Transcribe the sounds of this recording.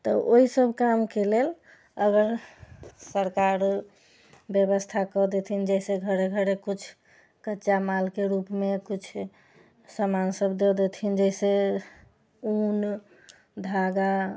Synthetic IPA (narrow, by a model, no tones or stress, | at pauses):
t̪ɔʔoisəbʱkamkelel | əɡəɾ | səɾkaɾ | bjəbəst̪ʰakɔd̪et̪ʰind͡ʒɛiseɡʱəɾeɡʱəɾekut͡ʃʰ | kətːʃamalkeɾupmekut͡ʃʰ | səmansəbd̪ed̪et̪ʰind͡ʒɛɪse | un | d̪ʱaɡa